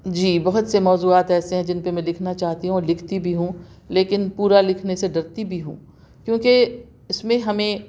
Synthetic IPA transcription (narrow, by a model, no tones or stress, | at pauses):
d͡ʒiːbɐɦʊt̪semɔːzuːaːt̪ɛːseɦɛ̃d͡ʒɪnpemɛ̃lɪkʰnat͡ʃaːɦt̪iɦũɔːɾlɪkʰt̪ibʱiɦũ | leːkɪnpuːɾalɪkʰneseɖɐɾt̪ibʱiɦṵ̃ː | kjõːke | ɪsmẽɦɐmẽ